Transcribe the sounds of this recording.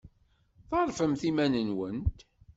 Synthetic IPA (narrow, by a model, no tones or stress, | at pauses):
θɑɾˤfəmθimænənwənt̪